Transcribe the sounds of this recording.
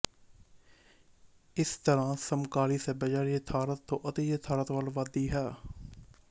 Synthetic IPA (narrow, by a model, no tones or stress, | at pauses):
ɪst̪əɾãːsəmkaːliːsɛːbəd͡ʒaːɾjeːt̪ʰaːɾət̪ʰːõːʔət̪eːjeːt̪ʰaːɾət̪ʋalʋaːd̪iːɦɛː